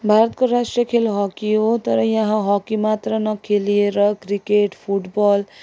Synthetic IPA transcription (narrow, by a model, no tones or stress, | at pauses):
bʱaɾʌt̪̚koɾasʈɾijʌkʰelɦɔkiot̪ʌɾʌjãɦãɦɔkimat̪ɾʌnʌkʰelieɾʌkɾikeʈpʰuʈbɔl